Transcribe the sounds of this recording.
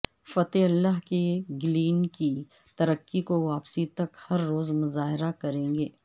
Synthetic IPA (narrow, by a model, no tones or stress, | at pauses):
fɐt̪eɐlːaɦkeɡɪliːnki | t̪ɐɾəkːikoʋaːpsit̪ɐkhɐɾːoːzmʊzaːɦɪɾakɐɾẽːŋɡeː